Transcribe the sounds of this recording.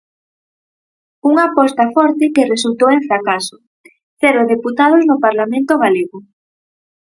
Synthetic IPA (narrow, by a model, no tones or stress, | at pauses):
uŋapɔst̪ɐfɔɾt̪ɪkeresult̪oweɱfɾakasʊ̥ | θɛɾʊðeput̪að̞ʊznopaɾlamẽnt̪oɣaleɣʊ